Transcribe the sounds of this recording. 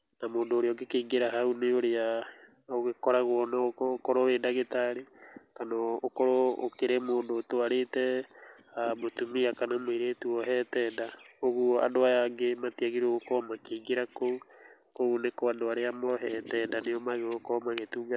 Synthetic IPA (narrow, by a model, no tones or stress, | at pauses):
namoːndoːɾeɔŋɡekeːŋɡeɾaɦauneoɾea | oɣekɔɾaɣwɔnaokokɔɾoɾeːndaɣetaɾekanɔokɔɾoo̰keɾemoːndoːtoaɾetɛ | amotumiakanamweɾetuɔɦɛtɛːndaoɣua̰ndoajaŋɡematiaɣiɾoɣokɔmakeːŋɡeɾakou | koonekoandoaɾeamɔɦɛtɛndanejɔmaɣeɣokɔmaɣetuːŋɡa